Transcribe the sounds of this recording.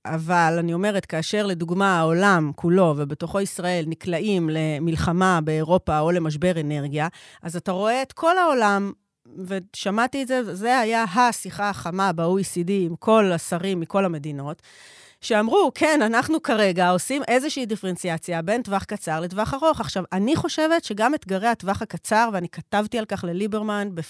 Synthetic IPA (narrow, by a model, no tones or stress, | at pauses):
ʔavalanio̞me̞ʁetkaːʃe̞ʁle̞duɡmaaolamkʰulo̞vebe̞to̞χo̞isʁae̞lniklaʔimle̞milχamabe̞ːʁo̞pao̞le̞maʃ̬be̞ʁe̞ne̞ʁɡijaʔazataʁo̞eetkʰo̞lao̞lam | ve̞ʃamatietzevze̞hajaɦasiχaχamabeoisidiːmkʰo̞lasaʁimːiko̞lame̞dino̞t | ʃeamʁukʰe̞nanaχnukaʁe̞ɡao̞simʔe̞zeʃiidifeent͡siat͡sjabe̞ntvaχkat͡saʁletvaχaʁo̞χaχʃavaniχo̞ʃe̞ve̞tʃe̞ɡamet̪ɡaʁeatvaχakat͡saʁveanikatavtialkaχle̞libeʁmanbe